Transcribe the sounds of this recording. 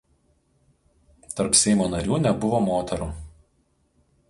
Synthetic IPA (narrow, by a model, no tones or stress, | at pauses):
t̪ɐɾpsʲɛɪmoːnɐɾʲuːnʲɛbʊʋoːmoːt̪ʲɛɾuː